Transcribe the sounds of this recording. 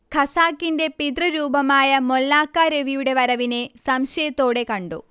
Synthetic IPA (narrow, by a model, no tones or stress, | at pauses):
kʰɐsaːkːinde̞pid̪rɐɾuːbɐmaːjɐmolːaːkːaːɾeʋijuɽe̞ʋɐɾɐʋinesɐmɕɐjɐt̪ːo̞ːɽe̞kɐɳɖṵ